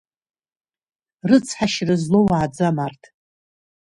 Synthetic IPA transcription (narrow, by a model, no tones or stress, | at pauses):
rɨt͡sʰħaʃrɨzlowʕad͡zamartʰ